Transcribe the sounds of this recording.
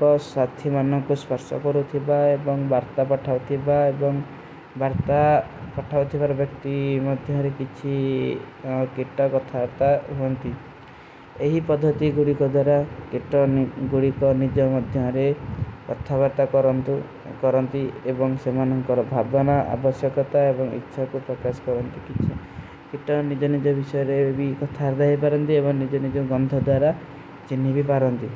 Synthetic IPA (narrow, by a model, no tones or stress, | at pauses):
ɔsat̪ʰimanɔŋkuspɔɾsɔ̰kɔɾut̪ʰibaebɔŋbaɾt̪apɔʈʰawt̪ʰibaebɔŋ | baɾt̪apɔʈʰawt̪ʰibaɾɔbjɔk̚t̪imɔd̪ʱjɔɾekit͡ʃʰi | kiʈːɔkɔt̪ʰabaɾt̪aɦuɔnt̪i | eɦipɔd̪ʱːɔt̪iɡuɽikɔd̪waɾakiʈɔɡuɽikɔnid͡ʒɔmɔd̪ʱjɔɾeɔ̰t̪ʰːabɔɾt̪akɔn | kɔɾɔnt̪iebɔŋsemanɔŋkɔɾɔbʱabɔnɔʔa̰bɔsjɔkɔt̪aebɔŋḭtːʃʰakupɾɔkasɔ̥kɔɾɔnt̪ikit͡ʃʰi | kiʈːɔnid͡ʒɔnid͡ʒɔbisɔjɔɾebikɔt̪ʰaɾd̪aɦipaɾɔnt̪iebɔŋnid͡ʒɔnid͡ʒɔɡɔnd̪ʱɔd̪waɾa | t͡ʃinːibipaɾɔnt̪i